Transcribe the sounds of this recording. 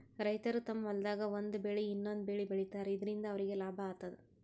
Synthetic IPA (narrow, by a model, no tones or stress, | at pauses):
ɾɐjt̪ɐɾut̪ɐmɐʋɐld̪aːɡɐond̪ubeɭiːnːond̪ubeɭibeɭit̪aːɾeid̪ɐɾind̪ɐːʋɐɾiɡe̞laːbʱɐaːt̪ːɐd̪e